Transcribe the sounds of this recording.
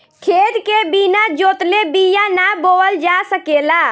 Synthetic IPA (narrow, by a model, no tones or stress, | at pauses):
kʰed̪kebinad͡ʒot̪lebijanaboəld͡ʒasəkela